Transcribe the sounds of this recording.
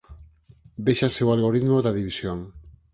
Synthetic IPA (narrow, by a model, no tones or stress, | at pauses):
d̪eʃasewalɣoɾit̪moðaðiβisjoŋ